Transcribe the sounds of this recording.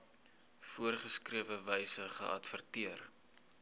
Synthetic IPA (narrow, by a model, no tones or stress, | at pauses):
fuərχəskriəvəvɛjsəχə̰ʔɐ̰tfərtiər